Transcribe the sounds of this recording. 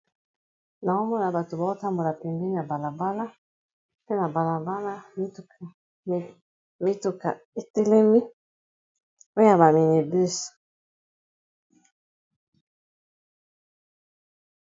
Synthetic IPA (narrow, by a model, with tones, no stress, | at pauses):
na˨o˦mɔ˦na˨ba˨to˨ba˨o˦ta˦mbo˨la˨pe˨ŋɡi˦n˦a˨ba˨la˨ba˦la˦ | pe˦na˨ba˨la˨ba˦la˦mi˦tu˨ka˨ | mi˦tu˨ka̰˨ | e˦te˦le˦mi˦ | o˦a˨ba˨mi˨ne˨bi˦s